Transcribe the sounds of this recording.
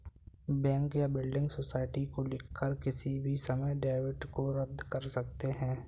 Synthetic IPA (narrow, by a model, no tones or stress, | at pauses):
bɛ̃ːŋkjabɪlɖɪ̃ŋɡsosaːɪʈikolɪkʰːəɾkɪsibʱisɐməjɖaːɪʋɪʈkoɾəd̪ʱːkɐɾsɐk̚t̪eɦɛ̃ː